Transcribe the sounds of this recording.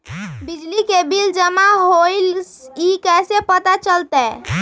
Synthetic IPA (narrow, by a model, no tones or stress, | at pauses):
bid͡ʒlikebild͡ʒəmaɦoɪl | ikɛsepət̪at͡ʃəlt̪ɛ